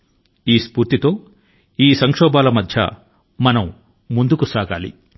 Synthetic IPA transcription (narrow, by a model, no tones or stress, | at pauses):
iːspuːɾt̪it̪o̞ː | iːsɐŋkʂɔːbaːlɐmɐd̪ʱjɐ̰ | mɐnɐmː | und̪ukusaːɡa̰ːlḭ